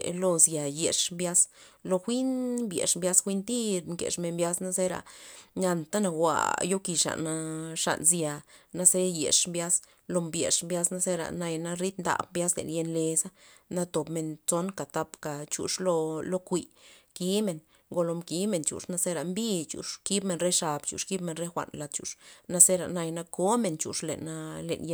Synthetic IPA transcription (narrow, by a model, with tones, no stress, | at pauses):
lo˧zja˨je˨ʂmbja˦slo˧xʷi˦nbjḛ˨ʂmbja˧˦sxʷi˦nt̪i˦ɾmkḛ˨ʂme˨nbja˦sna˦ze˦ɾa̰˨ɲa˧nt̪a˦na˧wʷa̰˨jo˦ki˨ʂa̰˨na˧ʂa̰˨nzja˨na˧se˦jḛ˨ʂmbja˦s | lo˧mbje˨ʂmbja˦sna˦ze˦ɾa̰˨na˧jna˦ɾi˦t̪nd̪a̰˨b̚mbja˦slḛ˨nje˧nle˧sa˦na˦t̪o˨pme˨nt͡so˦nka˨t̪a˧pka˨t͡ʃṵ˨ʂlo˧lo˦kʷi˧ki˦me˨n | ɡo˧lo˧mki˨˦me˨nt͡ʃṵ˨ʂna˧se˦ɾa˨mbi˦t͡ʃṵ˨ʂki˦bme˨nɾe˦ʂa˨bt͡ʃṵ˨ʂki˦bme˧˨nɾe˦xʷa̰˨nla˧d̪̚t͡ʃṵ˨ʂna˦se˦ɾa̰˨na˧jna˦ko˦me˨nt͡ʃṵ˨ʂlḛ˨na˦lḛ˨nje˧